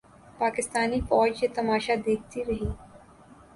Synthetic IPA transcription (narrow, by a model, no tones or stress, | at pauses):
paːkɪst̪aːnifɔːd͡ʒjet̪ɐmaːʃad̪eːk̚ʰt̪iɾɐɦiː